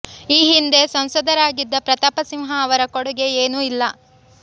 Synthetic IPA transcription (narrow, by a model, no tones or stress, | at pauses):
iːɦind̪e̞sɐmsɐd̪ʱɐɾaːɡid̪ːɐpɾɐt̪apɐsimɦɐːʋɐɾɐkoɽuɡe̞eːnuilːɐ